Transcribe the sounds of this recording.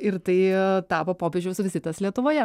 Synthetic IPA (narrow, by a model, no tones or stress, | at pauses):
ɪɾt̪ɐɪt̪ɑːpɐpoːpʲeːʒʲd͡ʒʲɛʊsʊʋʲɪsʲɪt̪ɐslʲiɛt̪ʊʋoːjɛ